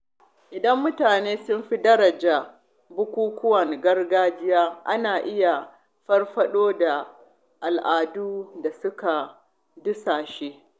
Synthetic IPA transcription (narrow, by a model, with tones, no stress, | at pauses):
ʔɪ˨dɐ˦mːʊ˦taː˨neː˦sʊ˦mɸi˦dɐ˦ɾɐ˨d͡ʒaː˨ | bʊ˦kʷuː˦kʷʊ˦wɐ˨ŋɡɐ˦rɡaː˦d͡ʒɪ˦jaː˦ʔa̰˦naː˨ʔɪ˦ja˨ | ɸɐ˦rɸɐ˦ɗoː˦da˨ | ʔa˨lʔaː˨duː˦da˨sʊ˦ka˨ | dʊ˦saː˨ʃe˦